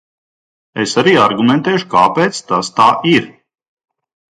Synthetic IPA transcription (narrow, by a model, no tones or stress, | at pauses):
esaɾiːaɾɡumɛnt̪ɛːʃu̥kaːpeːt̪st̪ast̪aːʔiɾ